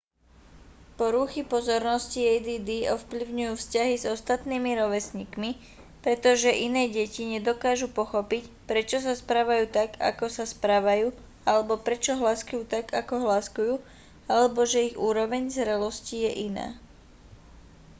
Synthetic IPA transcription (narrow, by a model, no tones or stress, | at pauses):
pɔɾuxipɔzɔɾnɔsciɛjd̪iːd̪iɔfpliʊɲujuːfscaɦizɔst̪at̪niːmiɾɔʋɛsɲiːkmi | pɾɛt̪ɔʒɛʔinɛːɟɛciɲɛd̪ɔkaːʒupɔxɔpicpɾɛt͡ʃɔs̬aspɾaːʋajuːt̪aɡa̰kɔsaspɾaːʋajuː | alɛbɔpɾɛt͡ʃɔɦlaːskujuːt̪aɡakɔɦlaskujuː | alɛbɔʒɛiɣuːɾɔʋɛɲzɾɛlɔscijɛʔina̰ː